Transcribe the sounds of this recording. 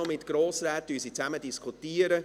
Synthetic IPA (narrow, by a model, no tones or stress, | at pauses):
ʊmɪtɡ̥ɾoːsɾɛːt̚d̥yəsit͡sæmədiskʰutiːəɾə